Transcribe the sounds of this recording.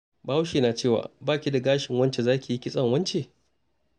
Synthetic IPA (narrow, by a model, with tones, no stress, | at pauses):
baː˦wʃiː˨naː˨t͡ʃeː˦˨wa̰ː˨baː˦˨kʲi˦da˨ɡaː˦ʃɪ˨ŋwɐ˦nt͡ʃe˨zaː˦kʲi˨ji˦kʲɪ˦sʼɐ˦ŋwɐ˦nt͡ʃe˨